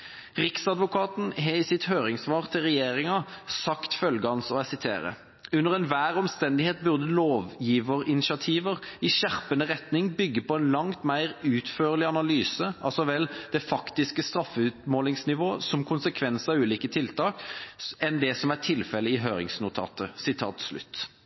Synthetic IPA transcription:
ʁɪksɑd̪ʋʊkʰɑːt̪n̩ɦɛɪsɪt̪høːʁɪŋsʋɑːʁt̪ʰɪlʁɛjeːʁɪŋɑsɑkt̪fœlɡəhɑnsɔæsɪt̪ʰḛːʁə̰ | ʉnːəʁɛnʋæːʁɔmst̪ɛnd̪ɪheːt̪̚bʉʁd̪əloːʋjiːʋəʁɪnɪʃɑt̪ʰiːʋəʁɪʃæʁpənəʁɛt̪nɪŋbʏɡːəpʰɔɛnlɑŋt̪mæɪʁʉːt̪føːʁlɪɑnɑlyːsəʔɑlsɔʋɛld̪ɛfɑkt̪ɪskəst̪ʁɑfːəʉːt̪moːlɪŋsnɪʋoːsɔmkʰʊnsəkʰʋɛnsəɑʉːliːkət̪ʰɪlt̪ʰɑːkɛnd̪ɛsɔmæʁʈʰɪlfɛlːəɪɦøːɾɪ̰ŋsnʊt̪ʰɑ̰ːt̪əsɪt̪ʰɑ̰ːt̪slʉ̰t̪ː

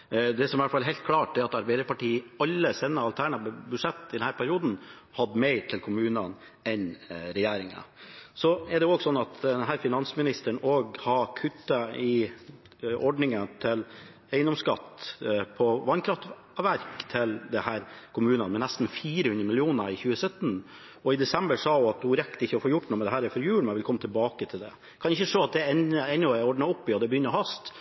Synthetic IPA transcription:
d̪ɛsɔmɛʋæʈfɑlɦɛɪlt̪̚kʰlɑːʈ̚d̪ɛɾɑt̪ɑɾbæɪd̪əɾpɑʈiːəɑlːəsɛnːəɑlt̪ʰæɳɑbʉʂɛt̪ːɪd̪ɛnhæːɾpʰæɾɪuːd̪n̩ | hɑd̪ːmɛɪt̪ʰɪlkʰʊmʉːnən | ɛnɾɛjeːɾɪŋə̰sɔɛɖɛoːɡsɔnːɑt̪d̪ɛɛnɦæːɾfɪnɑnsmɪnɪst̪əɳoːɡhɑkʰʉt̪ːəɪ | ɔɖɳɪŋənt̪ʰɪl | æɪnɔmskɑt̪pʰɔʋɑnkʰɾɑft̪ | ʋæɾkt̪ʰɪld̪ɛhæːɾkʰʊmʉːnənmɛnæst̪n̩fiːɾəhʉnd̪ɾəmɪlɪuːnəɾɪçʉːəsœt̪ːən | ɔɪd̪ɛsɛmbəʂɑːjʊɑt̪̚d̪ʊɾɛkːt̪ɪçːəɔfoːɾjʊʈːnuːmɛd̪ɛɦæːɾɛɾfɔɾjʉːɭmɛɛʋɪlkʰɔmːət̪ʰɪlbɑːkət̪ʰɪld̪ɛ̰ | kʰɑnɪçːəʂoːɑt̪̚d̪ɛɛnəɛnːɔɛɾɔɖɳɑɔpːɪɔd̪ɛbəjʏnːəɾɔhɑst̪

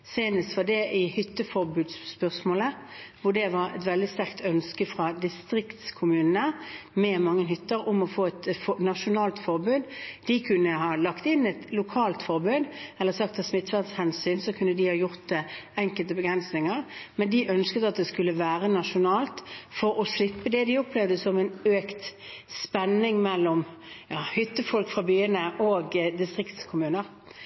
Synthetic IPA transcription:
seːnəst̪ʋɑd̪ɛʔɪhʏt̪ːəfɔʁbʉːd̪spœʁsmoːləʋʊd̪ɛʋɑɾɛ̰t̪ʋɛld̪ɪst̪æʁkt̪ʰœnskəfʁɑd̪ɪst̪ɾɪkt̪skʰʊmʉːnənəmɛmɑŋːənɦʏt̪ːəɾʊmɔfoːɛt̪fnɑʂʊnɑːlt̪fɔʁbʉːd̪d̪ɪkʰʉnːəɦɑːlɑkt̪ɪnːɛt̪lʊkʰɑːlt̪fɔʁbʉːd̪ɛlːəʁsɑkt̪ʰɑsmɪt̪ːfæʁd̪shɛnsyːnsɔkʰʉnːəd̪ɪhɑjʊʁt̪̚ɛɛŋkəlt̪əbəɡʁɛnsnɪŋəʁmɛnd̪ɪʔœnskət̪ɑt̪̚d̪ɛskʉlːəʋæːʁənɑʂʊnɑːlt̪fɔɾɔslɪpːəd̪ɛd̪ɪʊplɛʋd̪əsɔmɛnøːkt̪spɛnːɪŋmɛlːɔm | jɑːhʏt̪ːəfɔlkfʁɑbyːənəʔɔːɡd̪ɪst̪ʁɪkt̪skʰʊmʉːnəʁ

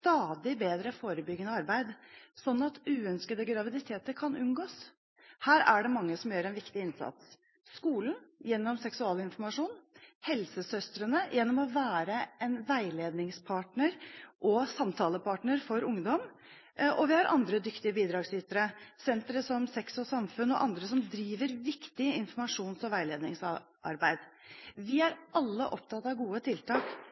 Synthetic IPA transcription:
st̪ɑːd̪ɪbeːd̪ɾəfoːɾəbʏɡːənəɑɾbæɪd̪sɔnːɑt̪ʉːœnskəd̪əɡɾɑʋɪd̪ɪt̪ʰeːt̪əɾkʰɑnʔʉnɡoːs | hæːɾæɖɛmɑŋːəsɔmjøːɾɛnʋɪkt̪ɪɪnsɑ̰t̪s | skuːlnjɛnːɔmsɛksʉɑːləɪnfɔɾmɑʂuːnhɛlsəsœst̪ɾənəjʔɛnːɔmɔʋæːɾəɛnʋæɪleːd̪nɪŋspʰɑːʈɳəɾʔɔsɑmt̪ʰɑːləpʰɑːʈɳəɾfɔɾʊŋd̪ɔm | ʔɔʋɪhɑɾʔɑ̰nd̪ɾəd̪ʏkt̪ɪəbiːd̪ɾɑːɡsʏt̪əɾəsɛnt̪ɾəsɔmsɛksɔsɑmfʉnːɔ̰ʔɑnd̪ɾəsɔmd̪ɾiːʋəɾʋɪkt̪ɪəɪnfɔɾmɑʂuːnsɔʋæɪleːd̪nɪŋsɑ | ʔɑ̰ɾbæɪd̪̥ʋɪæɾʔɑlːə̰ʔɔp̚t̪ʰɑt̪ːɑʋɡuːət̪ʰɪlt̪ʰɑːk

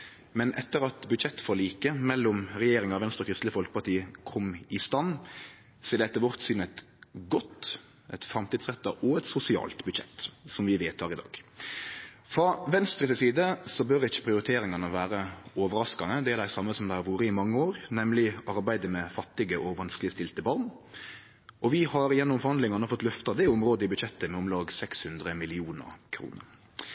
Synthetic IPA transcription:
mɛnʔɛt̪ːəɾɑt̪bʉd̪ɕɛt̪ːfoːɾliːkəmɛlːɔmɾɛjeːɾɪŋɑʋɛnst̪ɾəɔkʰɾɪst̪ləfɔlkəpɑʁt̪iːəkʰɔmɪst̪ɑnː | seːd̪ɛt̪ːəʋɔʁt̪sʏnɛt̪ | ɡɔt̪ | ɛt̪fɾɑmt̪iːd̪sʁɛt̪ːɑʔɔɛt̪sʊsɪɑ̰ːlt̪bʉd̪ʃɛ̰t̪ːsɔmʋɪʋeːt̪ʰɑːʁɪd̪ɑ̰ːɡ̥ | fɾɑʋɛnst̪ɾəsɪsiːd̪əsɔbœɾɪçə̥pʰɾɪʊɾɪt̪ʰeːɾɪŋɑnəʋæːɾəɔːʋəɾɑskɑnəd̪ɛæɾd̪æɪsɑmːəsɔmd̪æɪhɑɾʋuːɾəɪmɑŋːəoːɾnɛmlɪɑɾbæɪd̪əmɛfɑt̪ːɪɡəʔɔʋɑnsklɪst̪ɪlt̪əbɑʁn | ʔɔʋɪhɑɾjɛnːɔmfɔʁhɑnd̪lɪŋɑnəfɔt̪ːlœft̪ɑd̪ɛɪɔmɾoːd̪əɪbʉd̪ʃɛt̪ːəmɛɔmlɑːɡsɛkshʉnd̪ɾəmɪlɪuːnə̰ɾkʰɾṵːnə̰ʁ

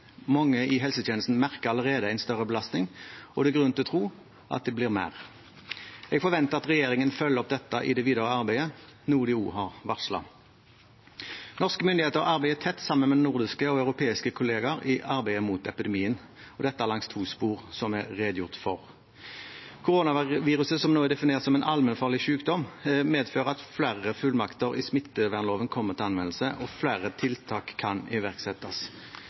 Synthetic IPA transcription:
mɑŋːəɪɦɛlsət̪ʰjɛːnəst̪n̩mæʁkəʁɑləʁeːd̪əæɪnst̪œʁəbəlɑst̪nɪŋɔd̪ɛɡʁʉnt̪ɪɔt̪ʰʁuː | ʔɑ̰t̪̚d̪ɛblɪːʁmæ̰ːʁ | ɛɡfɔʁʋɛnt̪əʁɑt̪ʁɛjeːʁɪŋənfœlːəɔp̚d̪ɛt̪ːɑʔɪ̰d̪ɛʋiːd̪əʁəɑʁbæɪənuːd̪ɪuːɦɑʁʋɑʁʂlɑ̰ | nɔʁskəmʏnd̪ɪheːt̪əʁɑʁbæɪət̪ʰɛt̪ːsɑmːənmɛd̪ɛnʊʁd̪ɪskəɔɑʉʁʊpʰeːɪskəkʰʊleːɡɑɾɪʔɑʁbæɪəmuːt̪ɛpɪd̪ɛmiːən | ɔd̪ɛt̪ːəæːʁlɑŋst̪ʰuːspuːʁsɔmɛʁʁeːd̪əjʊʁt̪fɔʁ | kʰʊʁoːnɑʋiːʁʉsəsɔmnoːɛd̪ɛfɪneːʁəsɔmɛnʔɑlmɛnfɑːʁɭɪʃʉːkd̪ɔmmeːd̪føːʁəɑt̪flæʁəfʉlmɑkt̪əʁɪsmɪt̪ːəʋæʁnloːʋənkʰɔmːəʁt̪ʰɪlɑnʋɛnl̩səʔɔflæːʁət̪ʰɪlt̪ʰɑːkʰːɑnɪʋæʁksɛt̪ːɑs

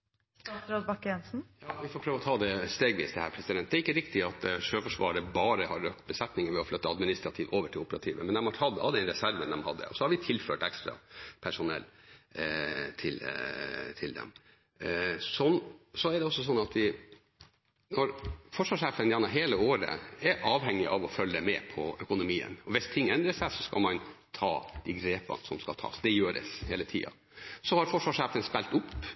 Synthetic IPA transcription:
ɾod̪bɑkːɛnsn̩jɑːʋɪfɔːpʰɾøːʋɔt̪ʰɑːd̪ɛst̪eːɡʋḭːsd̪ɛhæːɾpʰɾɛsɪd̪ɛnt̪d̪ɛæɪkːəɾɪkt̪ɪɑt̪ʂøːfɔʂʋɑ̰ːəɾəbɑːɾəhɑɾœk̚t̪bəsɛt̪nɪŋəɾʋɛɔflœt̪ːəɑd̪mɪnɪst̪ɾɑt̪ʰiːʋʔoːʋəʈʰɪlʊpəɾɑ̰t̪ʰiːʋə̰mɛnd̪ɛmhɑɾhʰɑd̪ːhɑd̪ːəɛnɾɛsæɾʋənd̪ɛmhɑd̪ːə̰ɔsɔhɑɾʋɪt̪ʰɪlføːʈɛkst̪ɾɑ̰pʰæʂʊnɛ̰lː | t̪ʰɪl | t̪ʰɪld̪ɛ̰m | sɔnsɔæɖɛɔsːɔsɔnːɑt̪ʋɪ | nɔɾfɔʂʋɑːʂæːfənjæɳɑɦeːləoːɾə̰ɛɾʔɑːʋhɛŋːɪʔɑʋɔfœlːəmɛ̰ːpʰɔœkʊnʊmiːə̰nɔʋɪst̪ʰɪŋːɛnd̪ɾəsæɪsɔskɑ̰lmɑnt̪ʰɑ̰ːd̪̥iɡɾeːpɑ̰nsɔmskɑ̰t̪ʰɑ̰ːsd̪ɛjøːɾə̰sheːlət̪ʰḭːɑ̰ | sɔhɑɾfɔʂʋɑʂæːfənspɛlt̪ʊpː

